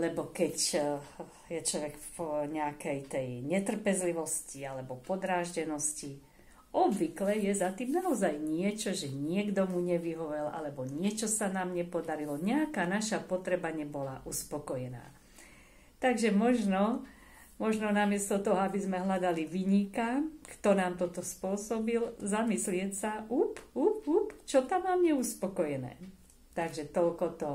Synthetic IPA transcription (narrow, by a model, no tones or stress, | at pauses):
lɛbɔkɛc | jɛt͡ʃlɔʋɛkpɔɲɛakɛjt̪ɛjɲɛt̪r̩pɛzliʋɔscialɛbɔpɔd̪ɾaːʒɟɛnɔsci | ɔbʋiklɛjɛzat̪iːmnaɔzajɲɪɛt͡ʃɔʒɛɲɪɛɡd̪ɔmuɲɛʋiɦɔʋɛlʔa̰lɛbɔɲɪɛt͡ʃɔsanaːmɲɛpɔd̪aɾilɔɲɛakaːnaʃapɔt̪ɾɛbaɲɛbɔlaʔuspɔkɔjɛna̰ː | t̪aɡʒɛmɔʒnɔ | mɔʒnɔnamɪɛst̪ɔt̪ɔɦɔabizmɛɦlad̪aliʋiɲikakt̪ɔnaːmt̪ɔt̪ɔspʊɔsɔbilzamislɪɛcsaʔupupupt͡ʃɔt̪amamɲɛuspɔkɔjɛnɛ̰ː | t̪aɡʒɛt̪ɔlkɔt̪ɔ